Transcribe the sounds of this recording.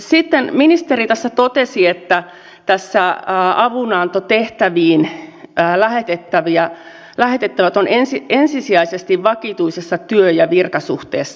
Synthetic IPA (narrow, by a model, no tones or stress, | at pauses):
sit̪ːenminist̪erit̪æsːæt̪ot̪esiet̪ːæ | t̪æsːæːɑʋunɑnt̪ot̪eht̪æʋiːnəːlæhet̪et̪ːæʋiæ | læhet̪et̪ːæʋæt̪onensiensisiæisest̪iʋʋɑkit̪uisesːɑt̪yøjɑʋirkɑsuht̪ḛːsːɑ